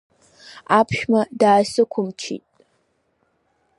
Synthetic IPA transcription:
apʰʃᶣmɐdaːsɨkʷʰʊmt͡ʃʰḭːtʼ

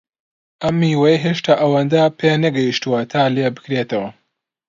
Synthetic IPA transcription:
ʔɐmːiːwɐjɦeːʃt̪ʰaːʔɐwɐnd̪ɐpʰeːnɐɡɐjiʃt̪uwɐt̪ʰaːleːbɨ̥kɾeːt̪ɐwɐ

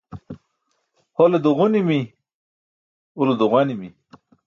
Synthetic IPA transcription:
holed̪uʁunimi | ulod̪uɣwanimi

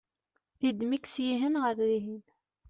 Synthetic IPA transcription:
θid̪miksjiɦənʁəɾðiɦin

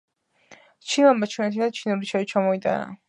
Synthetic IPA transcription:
t͡ʃʰinambat͡ʃʰɛnɛt̪ʰid̪at͡ʃʰinuɾit͡ʃʰait͡ʃʰamɔit̪ʼa̰na̰

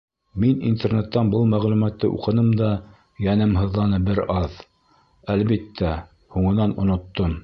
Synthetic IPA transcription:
minḭnt̪ernet̪ːɑnbɤlˠmæʁlʉmæt̪ːɘʔṵqɤ̆nɤmd̪ɑ | jænɘmɦɤ̆ðːɑnɤbɘɾɑð | ælβit̪ːæ | huɴɤ̆nɑnŏ̰nŏt̪ːom

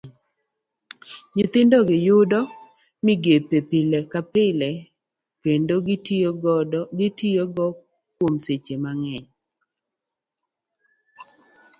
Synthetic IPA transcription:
ɲɪt̪ɪndɔɡɪjʊdɔ | mɪɡepepɪlɛkapɪlɛ | kendo | ɡɪtɪoɡɔ | kwomset͡ʃemaŋɛɲ

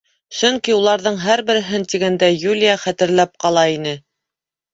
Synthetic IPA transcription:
sɵŋkiulˠɑɾðɤɴɦæɾbɘ̆ɾɘ̆ɦɘnt̪iɡænd̪æjulʲijaχæt̪ɘ̆ɾlæp̚qɑlˠɑinɘ

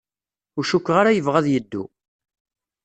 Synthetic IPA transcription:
ʊʃukːʁaɾajəvʁæðjəd̪ːṵ

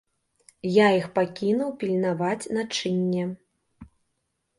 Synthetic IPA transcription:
jaixpakʲinuwpʲilʲnavat͡sʲnat͡ʂɨnʲːɛ

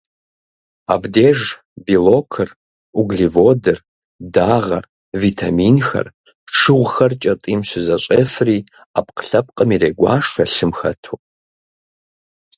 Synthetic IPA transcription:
a̰bdeːʐ | bilokʰɨr | uɡɮivodɨr | daːʁɐ̰r | vitʰaminxɐ̰r | ʈ͡ʂʰɨʁʷxɐrt͡ʃʼɐtʼiːmɕʷɪzɐɕʷʼefriː | ap̚ʰʼqɬɐp̚ʼqʼəmireːɡʷa̰ːʂɐɬɨmxɐ̰tʰo

